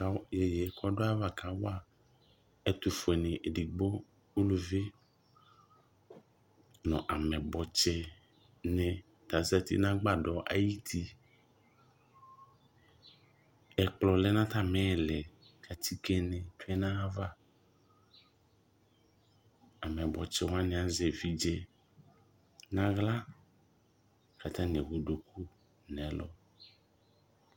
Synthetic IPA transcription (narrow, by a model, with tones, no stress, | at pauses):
jɛ˨jɛ˨˦kʰɔ˦do˦a˦va˦ka˨˦wa˦ | ɛ˦t̪u˨fo˨ɛ˨nɛ̃˨ʔe˨di˨ɡ͡bo˦ | o˦lu˨ve˦ | nɔ̃˨ʔa˨mɛ̃˨bɔ˨t͡ʃɛ˦ | nɛ̃˨ | t̪a˨za˦t̪ḭ˦nã˦ɡ͡ba˦˨dɔ˨ʔa̰˨ji˦t̪ʰi˦ | ɛ˨k͡plɔ˨lɛ˦nã˦t̪a˦mɛ˦˨lɛ˨ | kʰa˨tʰi˦kɛ˦nɛ̃˨tu˦ɛ˦nã˦va˦ | a˨mɛ˨bɔ˨t͡ʃɛ˨wã˦nɛ̃˨a˨zɛ˨vi˨d͡ʒɛ˦ | nã˦ɣla˦ | ka˨t̪a˦nɛ˨ɣo˨do˨kʰu˦ | nɛ̃˨˦lɔ̰˦